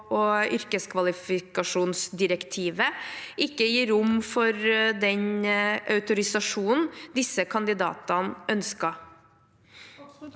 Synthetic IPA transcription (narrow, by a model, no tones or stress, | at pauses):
ɔʏɾkəskʰʋɑlɪfɪkɑʂuːnsd̪ɪɾɛkt̪ʰiːʋəɪkːəjiːɾʊmfɔɾd̪ɛɲʔɑʉt̪ʊɾɪsɑʂuːnn̩d̪ɪsːəkʰɑnd̪ɪd̪ɑ̰ːt̪ɑnʔœnskɑ